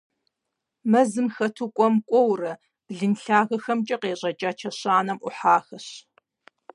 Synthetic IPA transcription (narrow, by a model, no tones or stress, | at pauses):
mɐzɨmxɐtʰukʷʼɔmkʷʼɔwrɐ | b̥ɮɨnɬaːɣɐxɐmt͡ʃʼɐqeːɕʼɐt͡ʃʼaːt͡ʃʰɐɕaːnɐmʔʊ̰ħaːxɐɕ